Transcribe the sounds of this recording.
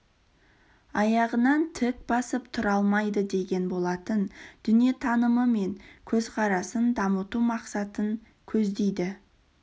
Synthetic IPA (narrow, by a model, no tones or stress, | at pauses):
ɑjɑʁənɑnt̪ʰɪk̚bɑsəpt̪ʰʊɾɑlˠmɑjd̪əd̪e̞ɡʲe̞nbo̞lˠɑt̪ənd̪̥ʏnije̞t̪ʰɑnəməme̞ŋkʲʰɵzqʰɑɾɑsənd̪ɑmət̪umɑqsɑt̪əŋ | kʲʰɵzd̪e̞jd̪ɪ